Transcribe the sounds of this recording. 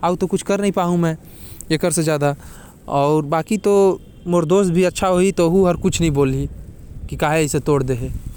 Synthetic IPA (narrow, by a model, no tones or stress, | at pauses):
aut̪okʊt͡ʃʰkɐɾnɐɦĩpaːɦũmɛ̃ː | ekəɾsed͡ʒjaːd̪a | ɔːɾbaːkit̪o | moːɾd̪oːst̪̚bʱiɐtːʃʰaɦoit̪oɦuɦɐɾkʊt͡ʃʰnɐɦĩboːli | kikaːɦeɪset̪oːɽd̪eɦeː